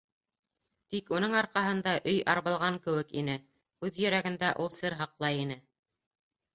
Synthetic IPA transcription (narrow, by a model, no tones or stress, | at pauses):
t̪ikunɤɴɑɾqɑɦɤ̆nd̪ɑʔɵjʔɑɾβɤ̆lˠʁɑŋkɘ̆wɘkḭnɘ | kʉðjɘ̆ɾæɡɘ̆nd̪æʔulˠsɤɾɦɑqlˠɑjin̪ɘ